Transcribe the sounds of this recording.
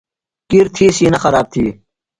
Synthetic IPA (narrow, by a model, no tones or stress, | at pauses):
kiɾt̪ʰiːsiːnɐxɐɾaːb̚t̪ʰḭː